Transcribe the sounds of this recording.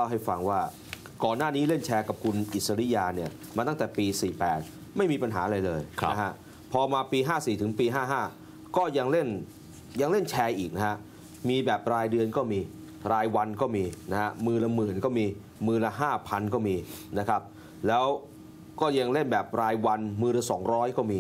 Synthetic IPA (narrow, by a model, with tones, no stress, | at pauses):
la˥˩wɦa˥˩jfa˧ŋwaː˥˩ | kɔː˨˩nːaː˥˩niː˦˥le˥˩nt͡ɕʰɛː˧ka˨˩p̚kʰu˧nʔi˨˩sa˧ɾi˦˥jaː˧ni˥˩ɐ | maː˧t̪a˥˩ŋt̪ɛː˨˩piː˧siː˨˩pɛː˨˩t̪̚ | ma˥˩jmiː˧pa˧nɦaː˩˦ʔɾa˧jlɤː˧j̰ʰa˦˥ɦʰa˦˥ʔ | pʰɔː˧maː˧piː˧ɦaː˥˩siː˨˩t̪ʰɯ˩˦ŋpiː˧ɦaː˥˩ɦaː˥˩ | kɔː˥˩ja˧ŋle˥˩n | ja˧ŋle˥˩nt͡ɕʰɛː˧ʔiː˨˩k̚na˦˥ha˦˥ | miː˧bɛː˨˩p̚ɾaː˧jdɯ˧ənkɔː˥˩miː˧ | ɾaː˧jwa˧nkɔː˥˩miː˧na˦˥ha˦˥mɯː˧nla˧mɯː˨˩nkɔː˥˩miː˧ | mɯː˧nla˧ɦaː˥˩pʰa˧nkɔː˥˩miː˧na˦˥kʰa˦˥p̚ | lɛː˦˥w | kɔː˥˩ja˧ŋle˥˩nbɛː˨˩p̚ɾaː˧jwa˧nmɯː˧nla˧sɔː˩˦ŋɾɔː˦˥jkɔː˥˩miː˧